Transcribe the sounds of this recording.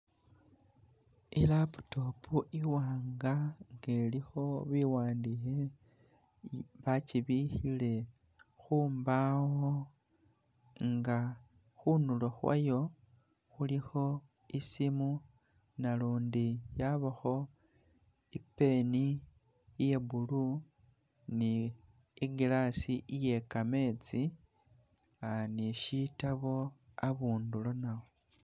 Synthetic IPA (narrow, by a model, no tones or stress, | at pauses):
ilapu̥topʰuʔiwaːŋɡaŋɡelixo̞βiwaːndixe | βat͡ʃiβixile̞ | xuːmbawo | ŋɡa | xunuloxwa̰jo̞ | xulixo̞ | isimu | naluːndijaβaxo̞ | ipːe̞ni | je̞bulu | niː | ɡilasiʔije̞kame̞t͡si | aniʃitaβo̞aβuːndulonawo